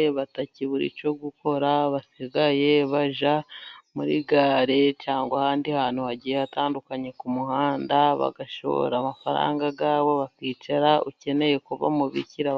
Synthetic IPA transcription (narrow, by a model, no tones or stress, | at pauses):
βataciβuɾḭt͡ʃo̞ɡuko̞ɾaβasiɡaje̞βaʒamuɾḭɡaːɾe̞t͡ʃaːŋɡwahaːndihaːn̥huhaɟijejataːndukaɲe̞kumuhaːndaβa̰ɡaʃo̰βo̰ɾaːmafaɾa̰ːŋɡaɡaːβo̞βakiːt͡ʃaɾauce̞ne̞je̞kuva̰muβḭciɾa